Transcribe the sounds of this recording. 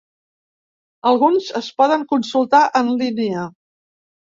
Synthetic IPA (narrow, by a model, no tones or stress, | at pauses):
əlˠɣunzəspɔðəŋkunsulˠt̪aʔənlineə